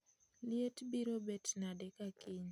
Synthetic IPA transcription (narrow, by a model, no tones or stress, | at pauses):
ljetbiɾobetnadɛkakiɲ